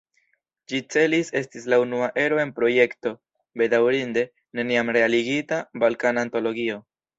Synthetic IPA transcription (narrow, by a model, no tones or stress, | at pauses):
d͡ʒit͡se̞lise̞stislaunuaʔe̞ɾo̞e̞npɾo̞je̞kto̞ | be̞dawɾinde̞ | ne̞niamɾe̞aliɡitabalkanaːnto̞lo̞ɡio̞